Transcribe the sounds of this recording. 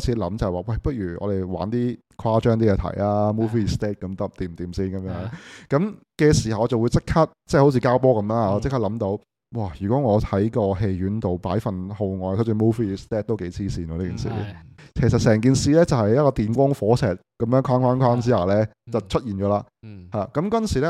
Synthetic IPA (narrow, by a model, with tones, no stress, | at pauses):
t͡sʰiː˨˥lɐ˨˧˥mt͡sɐ˨hwaː˨˧wɐ˥˩jpɐ˥t̚ɥyː˨˩ʔɔ̰ː˨˧ɾe˨˩jwa̰ː˨˥nt̪iː˥ | kʰaː˥t͡ʃœː˥ŋt̪iː˥jɛː˨˧t̪ʰɐ̰˨˩jlaː˦˥muː˥fiː˧st̪ɛː˥t̚kɐ˨˥mt̪ɐ˥p̚t̪iː˨˩mt̪iː˨˩msiː˥˩nkɐ˨˦mjœː˨˥ŋkɐ˨˥m | kɛː˧siː˨˩hɐ˨˩wt͡sɐ˨wu˨˧jt͡sɪ˥kʰːa˥t̚t͡sɛː˥˩ho˨˥t͡sʰiː˧kaː˥wpɔː˥kɐ˨˧˥mlaː˧˨ɔ˨˧t͡skʰa˥t̚lɐ˨˥mt̪o˨˥w | waː˥˩jyː˨kɔ˨˥ŋɔː˨˧hɐ˨˥jkɔː˧ɦe˧jɥyː˨˥nt̪o˨wpaː˨˥jfɐ˨nho˧wŋɔː˨˧jkʰt͡sy˧˩muː˥fiː˦˧st̪ɛː˥t̚t̪o˥wke˨˥jt͡sʰiː˥siː˨˩nwɔː˧iː˥kiː˨nsḭː˨˩kʰe˨˩sɐ˨t̚sɛː˨˩ŋk̬iː˨nsiː˧lɛː˥t͡sɐ˨whɐ˨jɐ˥t̚kɔː˧t̪iː˨nkʷɔː˥ŋfɔː˨˥sɛː˨t̚kɐ˨˥mjœː˨˥ŋkʰwaː˥nkwaː˥nkʷʰwaː˥ms̬iː˨˥aː˨˩lɛː˥t͡sɐ˨wt͡ʃʰɵ˥t̚jiː˨˩nt͡ʃɔː˨˥laː˧ | haː˨˩kɐ˨˦˥mkɐ˥nsi˨˩lɛ˥